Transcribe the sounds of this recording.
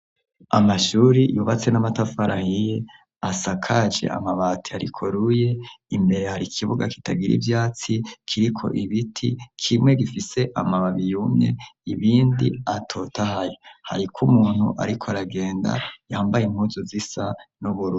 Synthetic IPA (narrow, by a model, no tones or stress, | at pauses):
amaʃuːɾijuβat͡se̞namatafaɾahije | asakʰaʒe̞̰ʔa̰maβatʰiaɾḭkʰoɾuje̞imbe̞ɾe̞haɾikʰiβuɡaki̥taɡiɾḭvjaːt͡sikʰiɾikʰo̞̰ʔiβitʰikʰimŋe̞ɡifise̞ʔamaβaβijumɲe̞̰iβiːndiatʰo̞tahajoha̰ɾikʰumuːn̥hṵʔa̰ɾikʰoaɾaɡe̞ːnda̰jaːmbajimhuzozisanuβuɾu